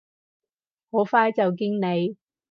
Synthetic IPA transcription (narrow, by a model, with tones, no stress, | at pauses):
ho˨˥wfaː˥jt͡sɐ˨wk̬i˥ŋne˨˧j